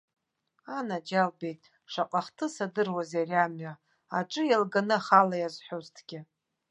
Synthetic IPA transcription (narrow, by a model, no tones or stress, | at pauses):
anad͡ʒalbe̞jtʼ | ʂaqʼaχtʰɨsadɨrwazjariamɥa | aʈ͡ʂʼɨjalɡanɨχalajazħʷoztʰɡ̥ʲɪ